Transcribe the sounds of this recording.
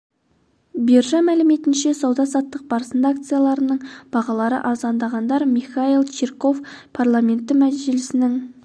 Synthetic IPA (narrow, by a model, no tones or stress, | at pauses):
beɾʒɑmælɪme̞t̪ɪnʃe̞sɑwd̪ɑsɑt̪ːəq̚b̥ɑɾəsənd̪ɑak̚t̪sɨjalˠɑɾənəɴb̥ɑʁɑlˠɑɾə̰ʔɑzɑnd̪ɑʁɑnd̪ɑɾmiχailˠt͡ʃʰiɾko̞fpʰaɾlˠame̞nt̪ːɪmæʒɪlɪsɪnɪŋ